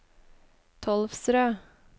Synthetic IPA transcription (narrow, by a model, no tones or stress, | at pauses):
t̪ʰɔlfsɾøː